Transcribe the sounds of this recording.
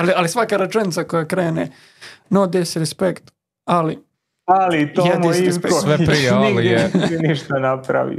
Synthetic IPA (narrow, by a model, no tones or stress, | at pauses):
alialisʋakaɾat͡ʃenit̪sakojakɾeːne | nod̪esiɾɛspekt̪ | ali | alit̪ojɛdmisiskpesosʋepɾijeailiiniʃt̪anapɾa̰ʋḭ